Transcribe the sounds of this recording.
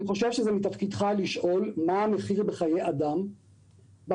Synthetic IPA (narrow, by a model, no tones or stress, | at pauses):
iχo̞ʃevʃezemitɐfkid̪χaliʃʔo̞lmaːme̞χiʁbeχajead̪am | b